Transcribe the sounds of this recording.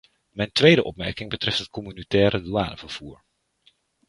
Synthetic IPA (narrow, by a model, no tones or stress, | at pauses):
mɛjntʋejdəʔɔ̰pmɛ̰ɹkɪŋbətrɛftɦət̚kɔmynitɛːɾəduaːnəv̥əɹv̥uːɹ